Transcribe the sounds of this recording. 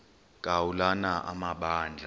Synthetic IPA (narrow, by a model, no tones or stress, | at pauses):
kʼawulanaʔa̰maɓaːnd͡ɮʱa